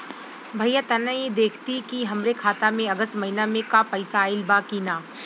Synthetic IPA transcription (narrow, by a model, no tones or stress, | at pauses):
bʱɐɪjat̪ɐnə̃jed̪eːkʰt̪ikiɦɐmɾekʰaːt̪amẽɐɡəst̪mɐɦɪnamẽkapɐɪsaɪlbakiːnaː